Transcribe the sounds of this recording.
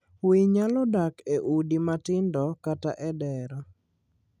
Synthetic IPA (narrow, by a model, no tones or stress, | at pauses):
wiɲalɔdakeʔudimatɪndɔkata̰ʔɛdɛɾɔ